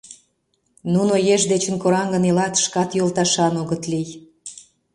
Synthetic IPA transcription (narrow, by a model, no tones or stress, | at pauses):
nunojeʒd̪et͡ɕə̆nkoɾɑŋɡə̆nelɑt̪ʃkɑt̪jolt̪ɑʃɑnoɣə̆t̪lij